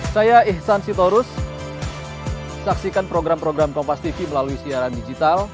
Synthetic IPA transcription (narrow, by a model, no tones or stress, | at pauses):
sajaɪhsansit̪oɾʊs | saksikanpɾoɡɾampɾoɡɾamkɔmpast̪ifiməlaluisiaɾandid͡ʒit̪al